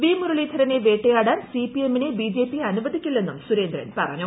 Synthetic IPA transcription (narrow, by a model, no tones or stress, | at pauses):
ʋiːmuɾuɭiːt̪ʰɐɾɐneʋeːʈːejaːɽaːnsiːpiemːinebiːd͡ʑe̞ːpiɐnubɐd̪ikʲːilːe̞nːumsuɾe̞ːnd̪ɾɐ̰npɐ̰rɐ̰ɲːu